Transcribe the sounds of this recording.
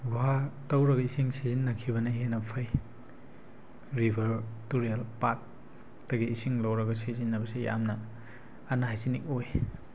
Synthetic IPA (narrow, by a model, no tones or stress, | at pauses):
ɡuɦatɐwɾɐɡɐisiŋsezinːɐkʰibɐnɐɦenɐpʰɐj | ɾibʱɐɾtuɾialpak̚ | tɐɡiːsiŋlɐwɾɐɡɐsizinːɐbɐsija̰mnɐː | naajzinik̚oj